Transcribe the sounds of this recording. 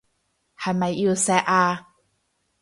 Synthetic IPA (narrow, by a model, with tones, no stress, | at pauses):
hɐ˨jmɐ˨jʔi˧wsɛ˧˥ʔaː˧